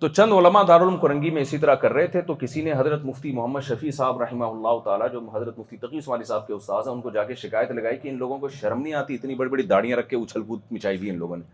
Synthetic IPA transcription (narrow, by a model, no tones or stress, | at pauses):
t̪ot͡ʃɐ̃nd̪oləmad̪aːɾʊlmkʊɾɐ̃ŋɡimẽɪsit̪̬ɐɾakɐɾːɐɦet̪ʰet̪okɪsineɦɐzɾət̪mʊft̪imʊɦəmːəd̪ʃɐfisaːbɾɐɦɪmaɦʊlːaːɦʊt̪aːlad͡ʒoːɦɐzɾət̪mʊft̪it̪ɐqiʊsmaːlisaːb̚keʊst̪aːzɦɛ̃ʊnkod͡ʒaːkeʃɪkaːjət̪lɐɡaːikiɪnloːɡõkoʃɐɾmnĩaːt̪iɪt̪nibɐɽibɐɽid̪aːɽijãɾɐkʰːeʊt͡ʃʰəlkuːt̪̚mɪt͡ʃaːibʱiɪnlo̰ːɡõne